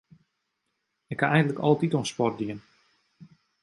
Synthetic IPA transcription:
ɪkʰːaɛjndələkɔ̰lˠətitoənspɔr̚diən

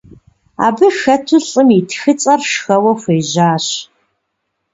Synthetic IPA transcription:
a̰ːbɨxɐtʰʊɬʼɨmitʰxɨt͡sʼɐrʃxɐwɐxʷeːʑaːɕ

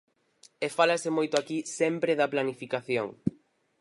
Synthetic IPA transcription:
efalasɪmojt̪ʊakisɛmpɾeðɐplanifikaθjoŋ

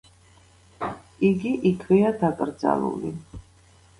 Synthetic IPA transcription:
iɡiʔikʰviad̪akʼɾd̪za̰lˠṵli

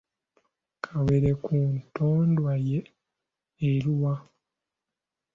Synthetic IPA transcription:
kʰawe̞ɾe̞kʰuntoːndwajeː | ɾiwa

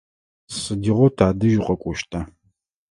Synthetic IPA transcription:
sɨdiʁʷɔtʰaːdɨʒɪqʼɐkʷʼɔʃtʰa

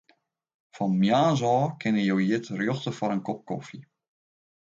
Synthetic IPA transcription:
fɔnmjaːzɔːkɪnəjowjɪtrjoxtəfɔɾənkɔp̚kofi

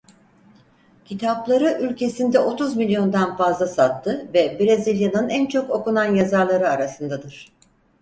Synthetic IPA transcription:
cʰit̪ʰaplˠaɾɯʔylʲcʰe̞sind̪ɛo̞t̪ʰuzmilʲjo̞nd̪anfazlˠasat̪ʰːɯvɛbɾezilʲjanɯnænt͡ʃʰo̞ko̞kunanjazaɾlˠaɾɯaɾasɯnd̪ad̪ɯɾ̥

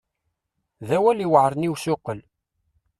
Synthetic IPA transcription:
ðæwæliwəʕɾˤniwsʊqəl

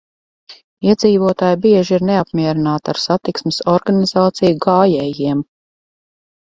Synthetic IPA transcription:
iɛd̪ziːvuɔt̪aːjbiɛʒiɾneapmiɛɾinaːt̪aɾsat̪iksmɪsɔɾɡanizaːt̪sijuɡaːjɛːjiɛm

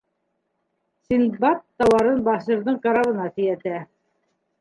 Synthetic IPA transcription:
sinbɑp̚t̪ɑwɑɾɤnbɑʃɤɾðɤɴkɑɾɑβɤ̆nɑsɘ̆jæt̪æ

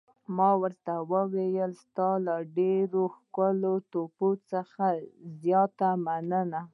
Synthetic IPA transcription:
mɑwəɾt̪awəwejəlst̪ɑlaɖeɾoxkəlot̪opot͡səxazjɑt̪amanəna

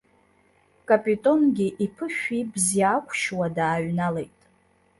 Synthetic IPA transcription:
kʼapʼitʼo̞nɡʲiʔipʰɨʃᶣibziakʷʰʼʃwadaːɥnalejtʼ

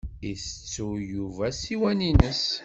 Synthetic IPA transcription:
iθə̥t͡sːujuvæsiwæninəs

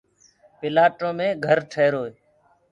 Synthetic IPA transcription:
pɪlaːʈõːmẽːɡʱəɾʈʰeːɾoːeː

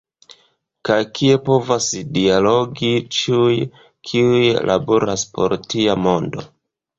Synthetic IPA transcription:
kajkʰie̞po̞vasdialo̞ɡit͡ʃiuj | kʰiujlʔa̰boɾaspo̞̰ɾtiamo̞ndo̞̰

